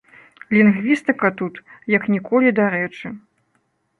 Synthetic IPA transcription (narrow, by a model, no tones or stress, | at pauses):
lʲinɣvʲist̪ɨkɐt̪ut̪jɐknʲikɔlʲid̪aɾɛt͡ʂɨ